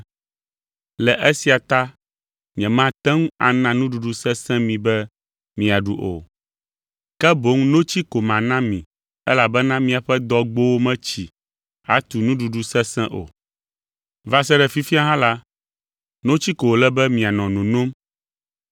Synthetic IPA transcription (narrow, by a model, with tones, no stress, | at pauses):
lɛ˨ʔɛ˦si˨a˨t̪a˦ | ɲɛ̃˨mã˦t̪ɛ̃˦ŋũ˦a̰˨nã˨nũ˦ɖu˨ɖu˦sɛ̃˦sɛ̃˦mĩ˨bɛ˦ | mĩ˨a˨ɖṵ˨ʔo̰˨ | kɛ˦bo˨˦ŋnõ˦t͡ɕi˦ko˨mã˨nã˦mĩ˨ | ɛ˦la˨bɛ˦nã˦mĩ˨a˨ɸɛ˦d̪ɔ˦ɡ͡bo˦wo˦mɛ̃˦t͡ɕi˨ | ha̰˨˦t̪u˨nũ˦ɖu˨ɖu˦sɛ̃˦sɛ̃˦ʔo̰˨ | va˦sɛ˦ɖɛ˨fi˦fi˦a˦ɦã˦la˦ | nõ˦t͡ɕi˦ko˨o˨lɛ˦bɛ˦mĩ˨a˨nɔ̃˨nõ˨nõ˦m